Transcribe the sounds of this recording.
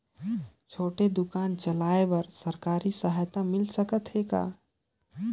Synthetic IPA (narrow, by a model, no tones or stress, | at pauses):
t͡ʃʰoːʈed̪ʊkaːnt͡ʃəlaːebəɾsəɾkaːɾisəɦaːjt̪amɪlsəkət̪ɦeka̰ː